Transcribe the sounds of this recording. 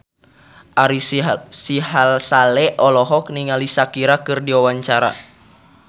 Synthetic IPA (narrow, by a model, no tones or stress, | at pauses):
ʔaɾisiɦalsalɛʔɔlɔɦɔk̚niŋalisakiɾakɨrdiwawaɲt͡ʃaɾa̰